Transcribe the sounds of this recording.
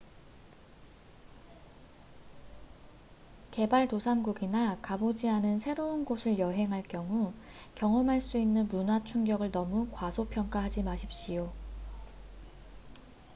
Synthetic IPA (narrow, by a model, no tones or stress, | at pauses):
ke̞baɭtosʰanɡuɡinakabod͡ʑianɯnsʰe̞ɾounɡosʰɯɭjʌɦe̞ŋɦaɭk͈jʌŋu | kjʌŋʌmɦaɭs͈uinːɯnmunwat͡ɕʰuŋɡjʌɡɯɭnʌmukwasʰopʰjʌŋk͈aɦad͡ʑimaɕʰip̚ɕ͈ijo